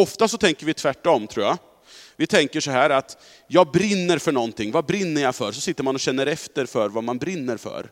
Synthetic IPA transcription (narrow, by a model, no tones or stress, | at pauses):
ɔft̪asɔt̪ʰɛŋkəɾvɪt̪ʰvæʈːɔmt̪ʰɾuːja | vɪt̪ʰɛŋkəʂɔɦæːɾat̪ | jɑːɡ̚bɾɪnːəɾfœɳɔnt̪ɪŋːvabɾɪnːəɾjafœɾsɔsɪt̪ːəɾmanɔɕɛnːəɾɛft̪əɾfœɾvamanbɾɪnːəɾfœ̰ɾ